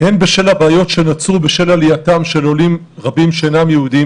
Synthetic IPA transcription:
henbeʃe̞labeːjo̞tʃe̞nat͡subeʃe̞laliatamʃe̞lo̞lim | ʁabimʃeenamjeud̪i

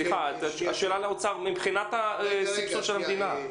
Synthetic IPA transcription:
liχazaʃeːlaleot͡saʁmibχinat̪asipsoʃelamed̪ina

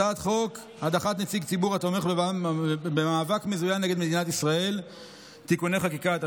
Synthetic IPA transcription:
aːt̪χo̞k | had̪aχat̪net͡siɡt͡sibuʁato̞me̞χbeabemaːvakme̞zujanːe̞ɡeme̞d̪inat̪isʁae̞l | t̪ikune̞χakikat̪a

